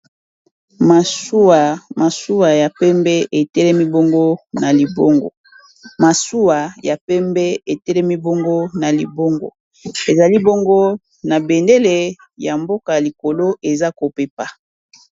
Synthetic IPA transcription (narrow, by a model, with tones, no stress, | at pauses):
ma˨˦˨ | ma˨su˦wa˨ja˨pɛ˦mbɛ˦e˨tɛ˦lɛ˦mi˦bo˦ŋɡo˦na˨li˨bo˦ŋɡo̰˨ | ma˨su˦wa˨ja˨pɛ˦mbɛ˦e˨tɛ˦lɛ˦mi˦bo˦ŋɡo˦na˨li˨bo˦ŋɡo̰˦ | e˨za˨li˦bo˦ŋɡo˦ | na˨bɛ˨nde˦le˨ | ja˨mbo˦ka˨ja˨li˨ko˨lo˦e˨za˦ko˨pe˨pa˨